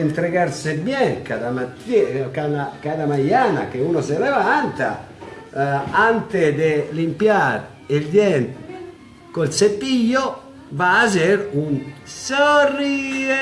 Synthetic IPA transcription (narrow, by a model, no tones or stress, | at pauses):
ɛnt̪ɾekaɾsebjɛkaðamat̪ːikanakaðamajaːna̰keunosɛɾɛvant̪a̰ | ant̪ed̪elimpjaɾ | ild̪jɛn | kolsep̪ːijo | vaːzeɾunsori